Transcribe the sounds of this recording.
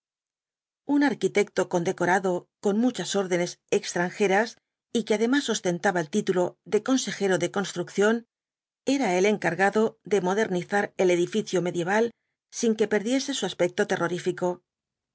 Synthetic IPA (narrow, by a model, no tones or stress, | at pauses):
unaɾkit̪e̞k̚t̪o̞ko̞nd̪e̞ko̞ɾaðo̞ko̞nmut͡ʃaso̞ɾðe̞ne̞se̞kst̪ɾaŋxe̞ɾas | ikeaðe̞masːost̪e̞nt̪aβaelt̪it̪ulo̞ðe̞ko̞nse̞xe̞ɾo̞ðe̞ko̞nst̪ɾukθjo̞n | e̞ɾae̞le̞ŋkaɾɣaðo̞ðe̞mo̞ðe̞ɾniθaɾe̞le̞ðifiθjome̞ðje̞βal | siŋke̞pe̞ɾðje̞se̞suaspe̞k̚t̪o̞t̪e̞rʔo̞ɾifiko̞